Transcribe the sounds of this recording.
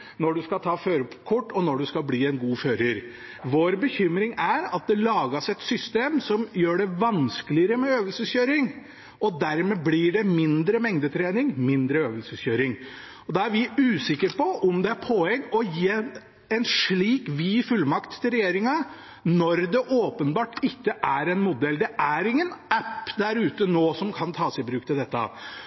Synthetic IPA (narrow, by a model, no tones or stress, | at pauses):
nɔɖʉskɑt̪ʰɑːføːɾəpʰkʰɔʈːɔnɔɖʉskɑlbliːɛnɡuːføːɾəɾ | ʋoːɾbəçʏmɾɪŋæɾɑt̪̚d̪ɛlɑːɡəsɛt̪sʏst̪eːmsɔmjøːɖɛʋɑnskəlɪəɾəmɛøːʋəlsəsçøːɾɪŋ | ʔɔd̪æɾmɛblɪɖɛmɪnd̪ɾəmɛŋd̪ət̪ʰɾeːnɪŋmɪnd̪ɾəøːʋəlsəsçøːɾɪŋ | ɔd̪ɑæɾʋɪʉːsɪkːəɾpɔʔɔmd̪ɛæɾpʰɔɛŋːɔje | ɛnʂɭiːkʋifʉlːmɑkt̪ʰːɪlɾɛjeːɾɪŋɑ | nɔɾd̪ɛʔoːpənbɑːʈɪkːəʔæɾɛnmʊd̪ɛld̪ɛʔæɾɪŋːənæpːd̪æɾʉːt̪ənoːsɔmkʰɑnt̪ʰɑːsɪbɾʉːk̚t̪ʰɪld̪ɛt̪ːɑ̰